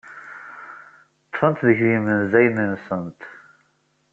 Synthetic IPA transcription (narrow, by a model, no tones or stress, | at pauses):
t̪ːˤfənt̪ðəçɾimənzæjmənsənt̪